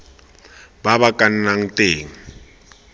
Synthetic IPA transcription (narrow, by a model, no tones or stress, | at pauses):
babakʼan̩naŋ̩teːŋ̩